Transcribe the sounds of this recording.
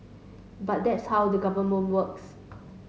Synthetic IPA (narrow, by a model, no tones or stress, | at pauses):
bat̚dɛtshawdəɡavəmə̃nwəks